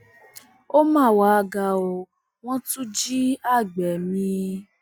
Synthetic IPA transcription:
o˦mãː˦˨wa˨˧ɡa˧o˧ | w̃ɔ̃˦tũ˦d͡ʒi˦a˦˨ɡ͡bɛ˨mĩ˧˦

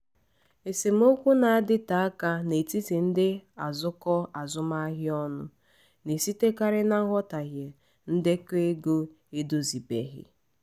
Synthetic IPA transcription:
e˨se˨m̩˦o˦kʷu˦na˨a˦dɪ˦ta˨˦a˦ka˦ne˨ti˦ti˨n̩˦dɪ˦a˨zʊ˦kɔ˦a˨zʊ˦ma˦ɦɪ˦ɔ˦nʊ̰˦ | ne˨si˦te˦ka˦ɾɪ˦na˦ŋ̩˦ɦɔ˦ta˨ɣje˨ | n̩˦dɪ˦ke˦ɡu˦ | i˦dʊ˦zi˨bḛ˦ɣɪ̰˦

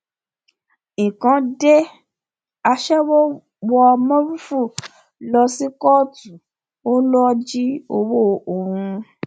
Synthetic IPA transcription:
ĩ˨kã˨˦de˦ | a˧ʃɛ˦wo˦ | wɔ˧mɔ̃˦ɾu˦fu˦˨ | lɔ˧si˦kɔ˦˨tu˨ | o˦lɔ˦d͡ʒi˦o˧wo˦o˨hũ˧

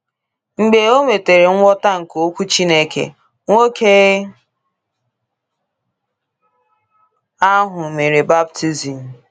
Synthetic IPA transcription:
ŋ͡m̩˨ɡ͡be˨o˦me˨te˨ɾe˨ŋ̩ʷ˦ɔ˦ta˦ŋ̩˨ko˦kʷu˦t͡ʃi˦ne˦kḛ˨ | ŋʷo˦kʰe˦ | a˦ɦʊ˨me˨ɾe˨ba˦b̚tʰi˦zi˨m̩˨

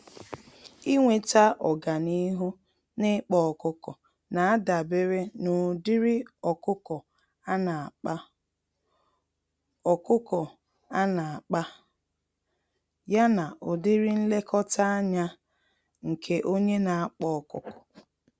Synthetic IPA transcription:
i˦ŋʷe˨ta˦ʔɔ˨ɡa˨ni˦ɦu˦ | nɪ˦k͡pɔ˨kʊ˦kɔ˨ | na˨a˦da˨be˦ɾe˦nʊ˨dɪ˦ɾɪ˦ɔ˨kʊ˦kɔ˨ | a˦na˨a˨k͡pa˦ | ɔ˨kʊ˦kɔ˨ | a˦na˨a˨k͡pa˦ | ja˦na˨ʔʊ˨dɪ˦ɾɪ˦n̩˦le˦kɔ˦ta˦a˦ɲa˦ | ŋ̩˨kʰe˦ʔo˦ɲe˦na˨a˦k͡pɔ˦˨kʊ˨kɔ̥˨

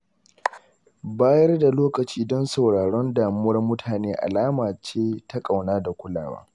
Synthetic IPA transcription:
baː˦jɐ˦rda˨loː˦kɐ˨t͡ʃiː˦dɔ˦nsa˨wɽaː˨ɽɔ˦ndaː˨mʊ˦wɐ˦rmʊ˦tʰaː˨neː˦ʔa̰˨laː˦maː˨t͡ʃeː˦ta˦kʼa˨wnaː˦da˨kʷʊ˦la̰ː˨wa̰ː˦

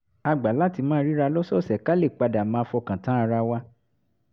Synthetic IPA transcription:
a˧ɡ͡ba˨˦la˦ti˧mãː˦ɾi˦ɾa˧lɔ˦sɔ˦˨sɛ˨ka˦le˦˨k͡pa˧da˨mãː˨˧˦fɔ˧kã˨tã˨˦a˧ɾa˧wa˦

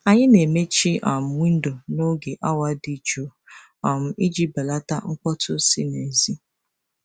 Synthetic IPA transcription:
a˨ɲɪ˦ne˨me˦t͡ʃi˦ʔɔ̰˨m̩˦wi˦n̩˦do˨no˦ɡe˨ʔa˦wa˦di˦t͡ʃo˨ | ɔ˨m̩˦i˦d͡ʒi˦ba˨la˦ta̰˦ŋ͡m̩˦k͡pɔ˦tʰʊ˦si˦ne˨zi˦

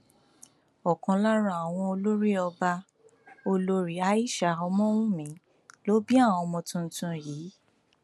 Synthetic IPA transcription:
ɔ˨kɔ̃˧la˦ɾ̃ã˦˨a˨w̃ɔ̃˧o˧lo˦ɾi˦ɔ˧ba˧ | o˧lo˧ɾi˨˦a˧˦i˦˨ʃa˨ɔ˧mɔ̃˦wũ˦mĩ˨˦ | lo˨˦bi˦a˦˨wɔ̃˧mɔ̃˧tũ˧n̩˨˦tũ˧ji˨˦

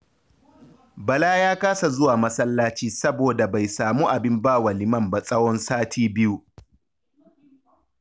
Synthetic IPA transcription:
bɐ˨laː˦jaː˦kaː˦sa˨zʊ˦waː˨mɐ˦sɐ˦lːaː˦t͡ʃiː˦sɐ˦boː˨da˨ba˨jsaː˨muː˦ʔa˨bɪ˦mbaː˦wa˨lɪ˨mɐ˦˨mba˦sʼɐ˦wɔ˦nsaː˦tʰiː˦bɪ˦ju˦

